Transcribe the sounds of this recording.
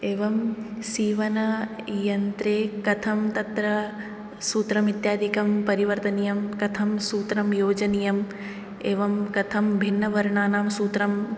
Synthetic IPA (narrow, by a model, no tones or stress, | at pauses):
eːʋɐmsiːʋɐnɐjɐnt̪ɾeːkɐt̪ʰɐmt̪ɐt̪ɾɐ | suːt̪ɾɐmit̪jaːd̪ʱikɐmpɐɾiʋɐɾt̪ɐnijɐmkɐt̪ʰɐmsuːt̪ɾɐmjoːd͡ʒɐnijɐm | eːʋɐmkɐt̪ʰɐmbʱinːɐʋɐɾɳaːnaːmsuːt̪ɾɐm